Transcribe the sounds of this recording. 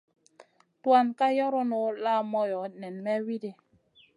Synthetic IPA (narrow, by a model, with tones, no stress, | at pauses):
twa˦˨nka˦jɔ˦ɾɔ˦nɔ˨˦la˦mɔ˦jɔ˨˦nɛ˨nmɛ˦wi˦di˦